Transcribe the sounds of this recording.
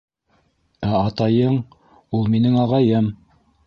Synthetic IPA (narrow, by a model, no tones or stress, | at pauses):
æɑt̪ɑjɤɴ | ulˠminɘŋɑʁɑjɤm